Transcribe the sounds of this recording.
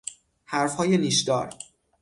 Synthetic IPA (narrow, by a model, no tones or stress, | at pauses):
hæɾfhɒːjeliːʃd̪ɒ̰ːɾ